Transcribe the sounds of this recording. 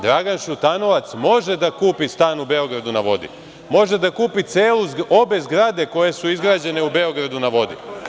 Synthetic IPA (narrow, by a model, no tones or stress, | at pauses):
d̪ɾaɡanʃut̪ano̞ʋat̪smo̞ʒe̞d̪akuːpist̪aːnube̞o̞ɡɾad̪unaʋo̞d̪ḭ | mo̞ʒe̞d̪akuːpit̪se̞ːluo̞be̞zɡɾad̪e̞ko̞je̞suizɡɾaːd͡ʑe̞ne̞ube̞o̞ɡɾad̪unaʋo̞d̪ḭ